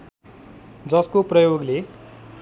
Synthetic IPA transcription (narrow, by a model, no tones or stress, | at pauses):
d͡zʌskoprʌjoɡle